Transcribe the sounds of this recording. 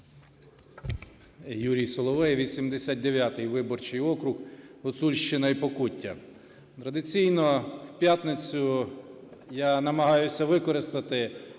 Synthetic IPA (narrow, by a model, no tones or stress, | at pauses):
juɾʲijsɔlˠɔʋɛjʋʲid̪ʲsʲimd̪esʲat̪̚ʲd̪eʋʲjat̪ɪjʋɪbɔrt͡ʃɪjɔkɾʊxɔt̪sulʲʃt͡ʃɪnɐipɔkutʲːɐ | t̪ɾɐd̪ɪt͡sʲijnɔwpʲjat̪nɪt͡sʲʊ | janɐmɐɦɑjʊsʲɐʋɪkɔɾɪst̪ɐt̪ɪ